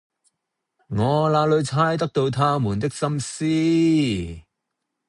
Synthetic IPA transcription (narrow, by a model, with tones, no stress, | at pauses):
ŋɔː˨˧laː˧lɵ˨˧ɥt͡sʰaː˥jt̪ɐ˥k̚t̪o˧wt̪ʰaː˥muː˨˩nt̪ɪ˥k̚sɐ˥msiː˥